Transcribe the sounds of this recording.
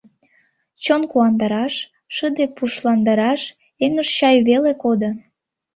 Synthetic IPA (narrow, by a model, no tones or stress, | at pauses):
t͡ɕonkuɑnd̪ɑɾɑʃː | əd̪epuʃlɑnd̪ɑɾɑʃ | eŋəʃt͡ɕɑjβelekod̪o